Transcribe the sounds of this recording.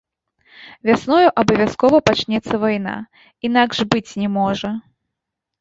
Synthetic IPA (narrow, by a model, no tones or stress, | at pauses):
vʲasnɔjuʔɐbɐvʲaskɔvɐpat͡ʃnʲɛt̪sːɐvajna̰ | inaɡʐbɨt͡sʲnʲɛmɔʐɐ